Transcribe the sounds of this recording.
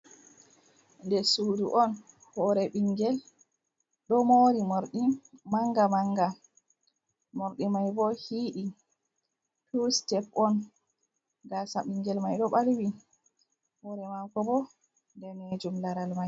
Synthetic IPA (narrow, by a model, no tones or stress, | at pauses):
ndɛsuːduʔɔn | hɔɾɛɓiŋɡɛl | ɗɔmoːɾimoɾɗimaŋɡamaŋɡa | moɾɗimajbɔhiːɗi | tustɛpɔn | ɡasaɓiŋɡɛlmajɗɔɓalwi | hɔɾɛmakɔbɔ | ndɛned͡ʒumlaɾalmaj